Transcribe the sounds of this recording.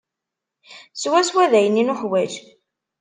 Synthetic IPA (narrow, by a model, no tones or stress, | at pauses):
swæswæðæjəninuħwæʒ